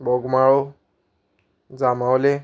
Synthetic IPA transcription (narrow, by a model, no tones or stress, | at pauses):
bɔɡmaɹɔ | zamawlɛ